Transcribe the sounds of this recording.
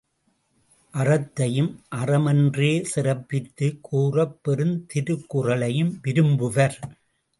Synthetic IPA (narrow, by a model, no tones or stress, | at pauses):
ʔɐrɐt̪ːɐjɯmʔɐrɐmɛndreːsɪrɐpːɪt̪ːɯkʰuːrɐpːɛɾɯnt̪ɪɾɯkːʊrɐɭɐjɯmʋɪɾɯmbɯʋɐɾ